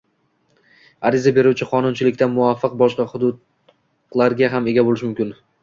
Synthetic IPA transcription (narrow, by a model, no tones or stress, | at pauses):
aɾɪzabe̞ɾuwt͡ʃʰɪqʰɒnʊnt͡ʃʰɪlɪkʲt̪anmʊafːɨq̚bɒʃqɑχʊd̪ʊd̪ | laɾɡʲaɦame̞ɡʲabolɪʃmʊmkʲɪn